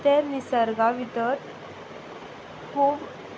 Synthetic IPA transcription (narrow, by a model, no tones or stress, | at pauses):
t̪eɾnisəɾɡaʋit̪əɾ | kʰuːb